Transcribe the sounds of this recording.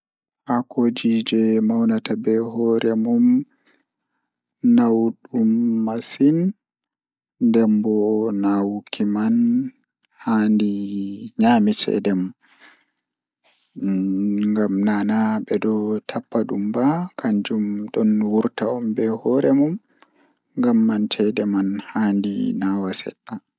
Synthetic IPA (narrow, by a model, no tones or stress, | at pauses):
hakod͡ʒid͡ʒɛmawnatabɛɦɔɾɛmum | nawɗumːasin | dɛmbɔnawkʰiman | handiɲamit͡ʃɛ̰dɛm | ŋɡamnanaɓɛdɔtʰapːaɗumbakʰaɲd͡ʒumɗɔnwuɾtaɔmbɛhɔɾɛmum | ŋɡamːantʰɛdɛmanhandḭnawasɛ̰ɗːa